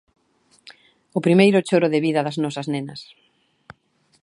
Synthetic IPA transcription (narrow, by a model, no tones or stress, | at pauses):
ʊpɾimejɾʊt͡ʃoɾʊðɪβiðɐðɐznɔsɐznenɐs